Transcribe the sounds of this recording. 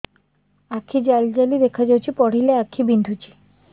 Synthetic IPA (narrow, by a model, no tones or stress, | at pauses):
akʰːid͡ʑald͡ʒalid̪ekʰad͡ʑawt͡ʃʰipɔɽ̤ileakʰːibind̪ʱut͡ʃi̥